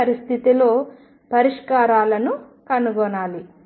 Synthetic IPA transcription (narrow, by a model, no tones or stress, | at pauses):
ɐɾist̪ʰit̪ilo̞ː | pɐɾiʂkaːɾaːlɐnukɐnuɡɔnaːli